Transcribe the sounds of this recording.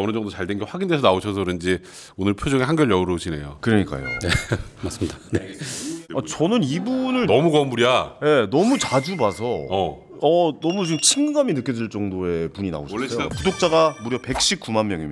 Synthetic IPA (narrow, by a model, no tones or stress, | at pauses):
ʌnɯd͡ʑʌŋdot͡ɕaɭdenŋɡeɸwaɡindesʰʌnaoɕʰʌs̬ʰʌɯɾɯnd͡ʑi | onɯɭpʰjod͡ʑʌŋeɦanɡjʌɭjʌuɾoɕʰine̞̰jokɯɾʌɲik͈a̰jo̰emas͈ɯmɲidaneat͡ɕʌnɯnibunɯɭnʌmuɡʌmuɾiaje̞nʌmut͡ɕad͡ʑubasʰʌʌ | ʌnʌmut͡ɕiɡɯmt͡ɕʰiŋɡaminɯk͈jʌdɯɭt͡ɕ͈ʌŋdoe̞puɲina̰oɕʰjpudok̚t͡ɕ͈aɡamuɾjʌpe̞k̚ɕ͈ip̚k͈umanmjʌŋim